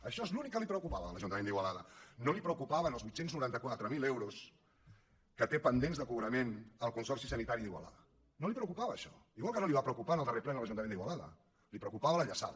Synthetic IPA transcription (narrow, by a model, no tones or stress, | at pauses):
əʃɔezlunikːəlipɾəukupaβəələʒunt̪əmend̪iɣwəlaðənolipɾəukupaβənəlˠzβuit̪senznuɾant̪əkwat̪ɾəmilewɾus | kət̪epənd̪enzðəkuβɾəmenəlˠkunsɔrsisənit̪aɾiðiɣwə̰la̰ðə | nolipɾəukupaβəːʃɔ̰iɣwalkənoliβapɾəukupanəlˠd̪əreplɛnələʒunt̪əend̪iɣwalaðə̰ | lipɾəkupaβələʎəsa̰ð